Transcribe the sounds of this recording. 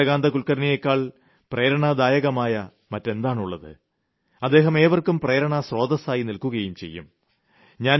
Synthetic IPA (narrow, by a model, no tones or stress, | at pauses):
ɐɣaːnd̪ɐkulkɐɾnijekːaːɭ | pre̞ːɾɐɳɐd̪aːjɐɣɐmaːjɐ | mɐtːe̞nd̪aːɳuɭːɐðɨ̰ | ɐd̪ːe̞ːɦɐme̞ːʋɐrkumpreːɾɐɳɐsroːd̪ɐsaːjinilkuɣɐjumt͡ɕe̞̰jːṵm | ɲaːn